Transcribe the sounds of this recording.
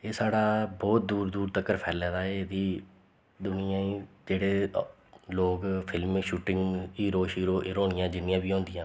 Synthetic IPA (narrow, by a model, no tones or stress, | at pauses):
eːsaːɽaːbɔːt̪̚d̪uːɾd̪uːɾt̪əkːəɾpʰɛːlɛ̃ːd̪aːeːd̪iː | d̪ʊnɪjãːĩːd͡ʒeːɽeː | loːɡpʰɪlmʃuːʈɪ̃ŋɡiːɾoːʃiːɾoːɾoːɽɪjãːd͡ʒɪnɪjãːbiːõːnd̪ɪjãː